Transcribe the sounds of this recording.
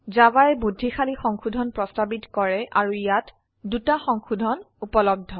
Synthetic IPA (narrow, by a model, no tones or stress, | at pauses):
zabaɹɛbudʱːixʰalixɔŋxudʱɔnpɹɔstabitkɔɹɛʔaɹujat | dutaxɔŋxudʱɔn | upɔlɔb̚dʱːɔ